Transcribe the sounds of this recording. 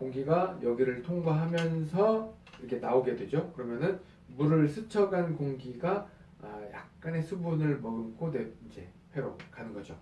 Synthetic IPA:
koŋɡiɡajʌɡiɾɯɭtʰoŋɡwaɦamjʌnsʰʌ | iɾʌkʰe̞naoɡe̞dwe̞d͡ʑokɯɾʌmjʌnɯn | muɾɯɭsʰɯt͡ɕʰʌɡankoŋɡiɡa | jak̚k͈ane̞sʰubunɯɭmʌɡɯnkʰone̞ind͡ʑe̞ | ɸwe̞ɾokanɯnɡʌd͡ʑo̰

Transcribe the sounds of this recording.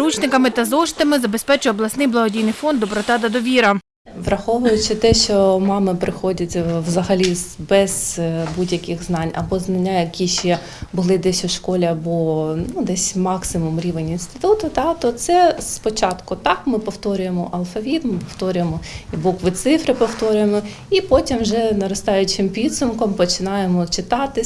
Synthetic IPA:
ɾut͡ʃnɪkɐmɪt̪ɐzɔʃt̪ɐmɪzɐbespɛt͡ʃʊjɛɔblˠɐsnɪjblˠɐɦɔdʲijnɪjfɔnd̪d̪ɔpɾɔt̪ɑd̪ɐd̪ɔʋʲiɾɐ | ʋɾɐxɔʋʊjʊt͡ʃɪt̪ɛʃt͡ʃɔmɑmɪpɾɪxɔdʲɐtʲʋzɐɦɐlʲizbɛz̥budʲjɐkɪxznɑnʲɐ̰bɔznɐnʲːajɐkʲiʃɛ | bʊlˠɪd̪ɛsʲʊʃkɔlʲiɐbɔnud̪ɛsʲmɑksɪmʊmɾʲiʋenʲinst̪ɪ̥t̪ut̪ʊt̪ɑt̪ɔt̪sɛspɔt͡ʃɑt̪kʊt̪ɑkmɪpɔwt̪ɔɾʲʊjemɔʔɐlˠfɐʋʲit̪mɪpɔwt̪ɔɾʲʊjemɔibɔkʋɪt̪sɪfɾɪpɔwt̪ɔɾʲʊjemɔ | ipɔtʲimʒɛnɐɾɔst̪ɑjʊt͡ʃɪmpʲid̪sʊmkɔmpɔt͡ʃɪnɑjemɔt͡ʃɪt̪ɑt̪ɪ

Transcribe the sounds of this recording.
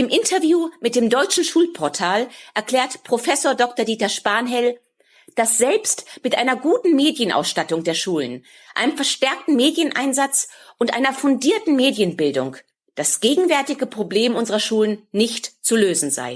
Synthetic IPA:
ʔɪmʔɪntʰɐvjuːmɪt̚d̥eːmdɔʏt͡ʃn̩ʃuːlpʰɔɐtʰaːlʔɛɐkl̥ɛːɐtpʁ̥ofɛsoːɐdɔktɐdiːtɐʃpaɐnɦɛl | d̥asz̥ɛlpstmɪtʔaɪnɐɡuːtn̩meːdjənʔa̰ʊsʃtatʊŋdeːɐʃuːlən | ʔa̰ɪnəmfɛɐʃtɛɐk̚tn̩meːdjənʔa̰ɪnzat͡s | ʔʊntʔa̰ɪnɐfʊndiːɐtn̩meːdjənbɪldʊŋ | d̥asɡ̥eːɡŋ̩vɛɐtɪɡəpʁ̥obleːmʔʊnzəʁɐʃuːlənnɪçtt͡suløːzn̩za̰ɪ

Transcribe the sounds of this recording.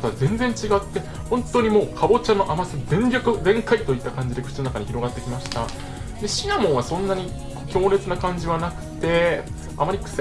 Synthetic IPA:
t̪aβzẽ̞nd͡zẽ̞ɲ̟t͡ɕiɡat̪ːe̞ | hõ̞nt̪o̞ɲ̟imo̞ːkʰabo̞t͡ɕanoʔamasɨdẽ̞nɡʲokɯ̟d̪ẽ̞ŋkait̪o̞it̪ːakãɲ̟d͡ʑid̪ekɯ̟̥t͡ɕino̞nakaɲ̟içiɾo̞ɡat̪ːe̞kʲimaɕi̥t̪a̰ | d̪e̞ɕiɡamõ̞βasõ̞nːaɲ̟i | kʲo̞ːɾe̞t͡sɨnakãɲ̟d͡ʑiβanakɯ̟̥t̪e̞ | a̰maɾʲikɯ̥se

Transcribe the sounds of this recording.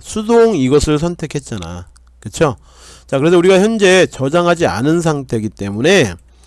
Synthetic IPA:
sʰudoŋiɡʌsʰɯɭsʰʌntʰe̞kʰe̞t̚t͡ɕ͈ana̰ | kɯt͡ɕʰo | t͡ɕakɯɾes̬ʰʌuɾiɡaçjʌnd͡ʑe̞t͡ɕʌd͡ʑaŋɦad͡ʑia̰nɯns̬ʰaŋtʰe̞ɡit͈e̞mune̞

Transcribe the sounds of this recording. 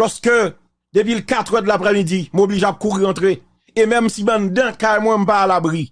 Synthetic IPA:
lɔskø | d̪ep̬ilkat̪ʁɛd̪lapʁɛmid͡zimobliʒeap̚kuʁiʁãt̪ʁe | emɛ̃msibãndãkajmwɛ̃m̩paːlabʁi

